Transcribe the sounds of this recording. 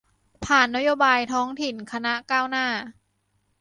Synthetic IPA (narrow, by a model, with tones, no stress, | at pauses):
pʰaː˨˩nːa˦˥joː˧baː˧jt̪ʰɔː˦˥ŋt̪ʰi˨˩nkʰa˧na˦˥kaː˥˩wnaː˥˩